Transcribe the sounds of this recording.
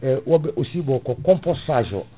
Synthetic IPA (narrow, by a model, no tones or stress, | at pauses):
ɛwɔbɛʔosibɔkɔkɔ̃mpɔsaʒɔ̰